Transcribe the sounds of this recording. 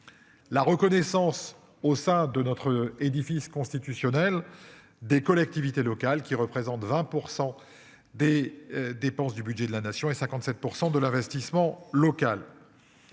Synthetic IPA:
laʁəkɔnɛsɑ̃s | osɛ̃d̪ənɔt̪χed̪ifiskɔ̃st̪it̪ysjɔnɛl | d̪ekɔlɛk̚t̪ivit̪elɔkalkʲiʁəpχezɑ̃t̪vɛ̃puʁsɑ̃ | d̪ed̪epɑ̃sd̪ybydʒɛd̪əlanasjɔ̃esɛ̃kɑ̃t̪sɛt̪̚puʁsɑ̃d̪əlɛ̃vɛst̪ismɑ̃lɔkal

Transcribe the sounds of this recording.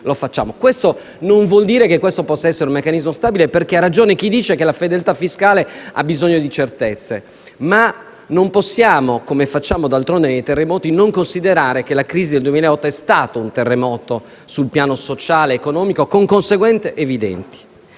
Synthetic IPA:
lofat͡ʃːa̰ːmokwest̪o | noɱvwɔld̪iːɾekekːwest̪opɔsːaɛsːeɾeumekːanizmost̪aːbileperkearːad͡ʒoːnek̟id̪iːt͡ʃekelafed̪elt̪afːiskaːlea̰bizoɲːod̪it͡ʃert̪et̪sːe | ma | nomposːjaːmokomefat͡ʃːaːmod̪alt̪ɾond̪enejt̪erːemɔːt̪inoŋkonsid̪eɾaːɾekelakɾiːzid̪eld̪uwemileɔt̪ːoɛst̪aːt̪ount̪erːemɔːt̪o | sulpjaːnosot͡ʃaːleːkonɔːmikokoŋkonseɡwɛnt̪seʔevid̪ɛ̰nt̪i̥

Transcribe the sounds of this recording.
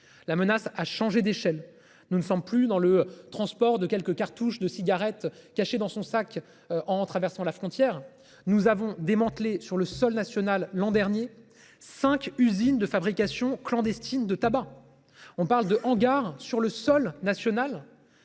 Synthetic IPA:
lamənasaʃɑ̃ʒed̪eʃɛl | nunəsɑ̃mplyd̪ɑ̃lət̪χɑ̃spɔʁd̪əkʲɛlkəkaʁt̪uʃd̪əsiɡʲaʁɛt̪kaʃed̪ɑ̃sɔ̃sak | ʔɑ̃t̪χavɛʁsɑ̃lafχɔ̃t̪jɛʁ | nuzavɔ̃d̪emɑ̃t̪lesyʁləsɔlnasjɔnalːɑ̃d̪ɛʁnje | sɛ̃kʲyzind̪əfabʁikasjɔ̃klɑ̃d̪ɛst̪ind̪ət̪aba | ɔ̃paʁld̪əʔɑ̃ɡaʁsyʁləsɔlnasjɔnal

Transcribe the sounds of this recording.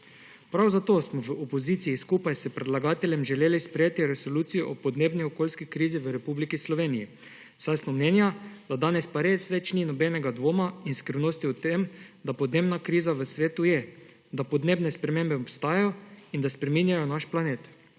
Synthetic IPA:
pɾawzat̪oːsmɔʋəopoziːt̪sijiskuːpajsɛpɾɛd̪laɡaːt̪ɛlʲjɛmʒɛljeːlispɾeɛjeːt̪iɾɛsoluːt̪sijɔʔɔpɔd̪neːbniɔkoːlskikɾiːziʋəɾɛpublikislɔʋeːniji | sajsmɔmnɛːnjad̪̥ad̪aːnɛspaɾeːsʋɛt͡ʃninɔbɛnɛɡad̪ʋoːmainskɾiwnoːst̪iut̪emd̪apɔd̪neːbnakɾiːzaʋəsʋeːt̪ujɛ | d̪apɔd̪neːbnɛspɾɛmeːmbɛɔpst̪aːjajɔind̪aspɾɛmiːnjajɔnaʃplaneːt̪

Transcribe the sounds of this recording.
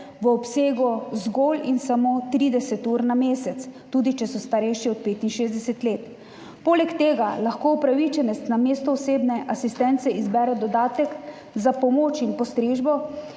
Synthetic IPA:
ʋəɔpseːɡɔzɡoːlinsamoːt̪ɾiːd̪ɛsɛt̪uːɾnameːsɛt̪st̪uːd̪it͡ʃɛsɔst̪aɾɛjʃiɔt̪̚peːt̪inʃeːzd̪ɛsɛt̪leːt̪ | poːlɛkt̪eːɡalaxkoːupɾaʋit͡ʃɛnɛst̪nameːst̪ɔɔseːbnɛʔasist̪ɛnt̪sɛizbɛɾɛd̪ɔd̪aːt̪ɛk | zapɔmoːt͡ʃinpɔst̪ɾeːʒbɔ

